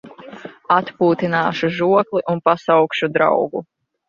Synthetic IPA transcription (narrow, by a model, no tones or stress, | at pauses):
at̪puːt̪inaːʃuʒuɔklˠiʔunpasawkʃud̪ɾa̰wɡu